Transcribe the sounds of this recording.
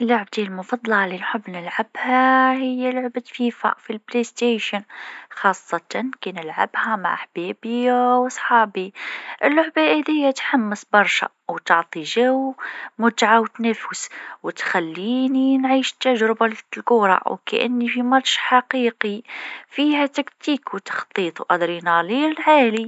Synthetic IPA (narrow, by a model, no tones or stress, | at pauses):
ʔlːʊʕb̚d̪ilmʊfɑd̪ˤlɑʕalinħʊbːnɪlʕabhahɪjːalʊʕbafiːfa̰ʔfilblest̪eːʃənxɑːsˤːɑt̪ɑnkinɪlʕa̰bhæma̰ʕħb̥eːbɪwɑsˤħɑːbiʔɪlːʊʕbaʔɪd̪ɪjːat̪ħamːɪsbɑɾˤʃa̰ | wt̪ɑʕt̪ˤiʒawmʊt̪ʕawt̪næfəswɪt̪xælːiːninʕiːʃt̪ːaʒɾɪbalɡʊːɾˤɑ̰wkæ̰ʔɪ̰nːifimɑt̪ʃħaqiːqifiːhæt̪ækt̪iːkwt̪ɑ̥xt̪ˤiːt̪ˤwʔɑd̪ɾinaliːlʕaːli